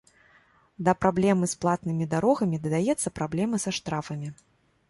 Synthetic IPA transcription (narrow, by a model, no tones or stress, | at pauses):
d̪ɐpɾablʲɛmɨsplˠat̪nɨmʲid̪aɾɔɣɐmʲid̪ɐd̪ajɛt̪sːɐpɾablʲɛmɨsaʂt̪ɾafɐmʲi